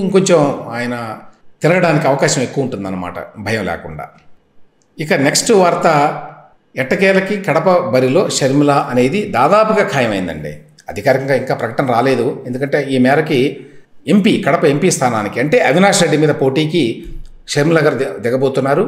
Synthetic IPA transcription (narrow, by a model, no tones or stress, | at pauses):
iŋkoɲt͡ʃɐmaːjɐnɐt̪iɾɐɡɐɽaːnikiɐʋɐkaːʃɐmekːuʋɐuɳʈund̪ɐnːɐma̰ːʈɐ̰bʱɐjɐmlɛ̰ːkuɳɖa̰ː | ikɐneksʈʋɐɾt̪ɐ | ɛʈːɐkɛːlɐkikɐɽɐpɐbɐɾilo̞ːʃɐɾmilaːʔɐne̞ːd̪id̪aːd̪aːpɐɡaːkʰaːjɐmɐjind̪ɐ̰ɳɖḭː | ɐd̪ʱikaːɾikɐŋɡaːiŋkaːpɾɐkɐʈɐnɐɾaːle̞ːd̪uend̪ukɐɳʈe̞ːiːmɛːɾɐkie̞mpikɐɽɐpɐe̞mpiːst̪ʰaːnaːnikiɐɳʈe̞ːʔɐʋinaːʂɾeɖːimiːd̪ɐpo̞ːʈiːki | ʃɐɾmilaːɡaːɾd̪ɛɡɐbo̞ːt̪unːaːɾu